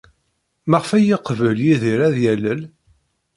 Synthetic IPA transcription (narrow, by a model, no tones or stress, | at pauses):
mæʁfæjiqvəljiðiɾæðjæləl